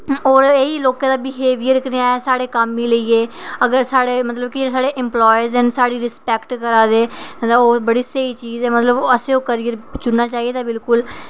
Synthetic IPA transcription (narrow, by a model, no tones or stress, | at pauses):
oːɾeːiːloːkãːd̪aːbɪɦeːʋijəɾkneaːɛːsaːɽeːkəmːiːləiːeːəɡəɾsaːɽeːmət̪ləbkɪd͡ʒesaːɽeːʔɪmplɔːjəɾzɛnsaːɽiːɾɪspɛːkʈkəɾaːd̪eːd̪aoːbəɽiːseːiːt͡ʃiːzɛːmət̪ləbəsẽːoːkəɾiːəɾt͡ʃʊnnaːt͡ʃaːɦieːt̪aːbɪlkʊl